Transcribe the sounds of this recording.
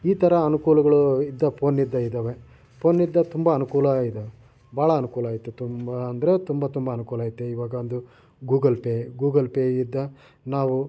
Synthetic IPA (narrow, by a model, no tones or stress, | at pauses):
iːt̪ʰɐɾɐːnukuːlɐɡɐɭuid̪ːɐpʰo̞ːnːid̪ːɐid̪ɐːʋe̞ | po̞ːnːid̪ːɐt̪umbɐːnukuːlɐid̪e | bʱaːɭɐːnukuːlaːjit̪ːet̪umbɐːnd̪ɐɾe̞t̪umbɐt̪umbɐːnukuːlaːjit̪ːeiʋaːɡɐond̪u | ɡuːɡɐlpeɡuːɡɐlpeid̪ːɐ | naːʋu